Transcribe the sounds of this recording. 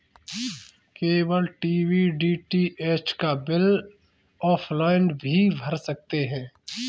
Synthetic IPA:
keːwəlʈiːwiɖiːʈieːt͡ʃkabɪl | ɔːpʰlaːɪnbʱibʱɐɾsɐk̚t̪eɦɛ̃ː

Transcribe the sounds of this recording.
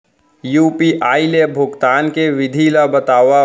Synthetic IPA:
juːpiʔaːilebʱʊɡt̪aːnkeʋɪd̪ʱilabət̪aːʋa

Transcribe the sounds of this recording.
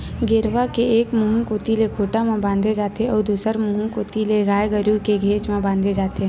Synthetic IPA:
ɡeːɾʋakeeːkmuɦũkoːt̪ilekʰoːʈamãbãːnd̪ʱed͡ʒaːt̪eɔːɾd̪uːsəɾmuɦũkoːt̪ileɾaːjɡəɾukeɡʱeːt͡ʃmãbãːnd̪ʱed͡ʒaːt̪e

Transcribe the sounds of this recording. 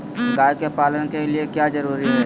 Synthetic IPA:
ɡaːjkepaːlənkeliekjazɐɾuːɾiɦɛː

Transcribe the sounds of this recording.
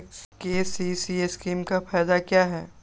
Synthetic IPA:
keːsisieskiːmkafɛːd̪akjaːɦɛː

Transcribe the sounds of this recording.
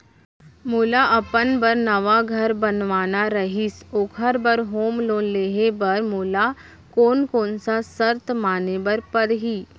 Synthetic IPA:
muːlaʔɐpənbəɾnɐʋaɡʱɐɾbɐnʋaːnaɾɐɦisoːkʰəɾbəɾɦoːmloːnleːɦebɐɾmoːla | koːnkoːnsasəɾt̪maːnebɐɾpɐɾɦiː

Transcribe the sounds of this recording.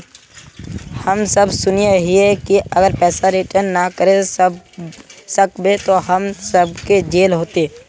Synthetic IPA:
həmsəbsʊnieɦɪɛkiɐɡəɾpɛːsaɾɪʈəɾnːakəɾe | səkbet̪oɦəmsəb̚ʱked͡ʒeːlɦoːt̪e

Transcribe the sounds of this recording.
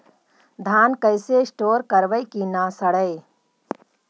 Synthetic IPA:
d̪ʱaːnkəɪseɪsʈoːɾkəɾʋəjkinaːsəɽəj

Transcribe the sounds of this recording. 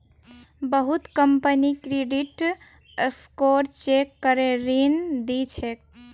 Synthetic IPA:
bəɦut̪kəmpənikɾeɖiʈ | skoɾt͡ʃekːəɾeɾind̪it͡ʃʰek̚

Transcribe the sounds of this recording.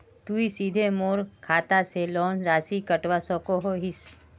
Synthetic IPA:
t̪uisiːd̪ʱemoːɾkʰaːt̪aselɔːnɾaːsikəʈʋasɔkoɦoɦis

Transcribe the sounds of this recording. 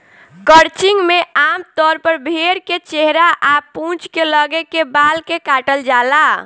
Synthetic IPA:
kəɾt͡ʃiŋɡmeamt̪ɔɾpəɾbʱeɾket͡ʃeɦɾaʔapũt͡ʃkeləɡekebalkekaʈəld͡ʒala

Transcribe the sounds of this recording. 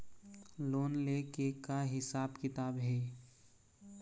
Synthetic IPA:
loːnlekekaɦɪsaːbkɪt̪aːbɦeː

